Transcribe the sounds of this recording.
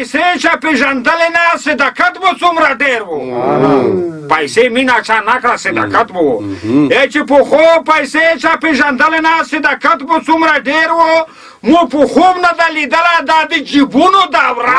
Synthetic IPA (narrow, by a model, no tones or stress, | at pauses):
pjset͡ʃapeʒand̪əlenasɪd̪akɐt̪̚bot͡sumɾaɖeɾwo | pɐjseminat͡ʃʰanakɽasɪd̪a̰kɐt̪boet͡ʃipoxopɐjset͡ʃapeʒand̪əlenasɪd̪akɐt̪bot͡sumɾaɖeɾwo | mupuxubnad̪alid̪əlad̪ad̪əd͡ʒibunod̪aːwɾa